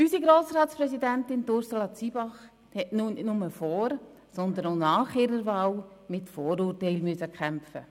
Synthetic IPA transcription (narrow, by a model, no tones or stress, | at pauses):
ysiɡɾoːsɾɑːtspɾɛsidæntɪntʊɾsolɑt͡sibɑχ | hɛtnʊnʊməfɔːɾ | sɔnd̪ənoʊnɑːχɪɾəɾvɑːl | mɪtfɔːɾuːrtɛɪlmyəsəkʰɛmfə